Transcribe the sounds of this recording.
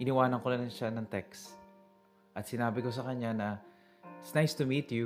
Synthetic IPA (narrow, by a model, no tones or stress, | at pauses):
ʔɪnɪwaːnɐnkonɐnɐnʃanɐŋt̪ɛks | ʔɐt̪sɪnaːbɪko̞s̬ɐkɐɲːanɐ | ɪt̪snajst̪ʊmiːt̪ju